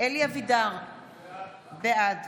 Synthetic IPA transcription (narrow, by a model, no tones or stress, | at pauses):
eliavid̪aʁ | bead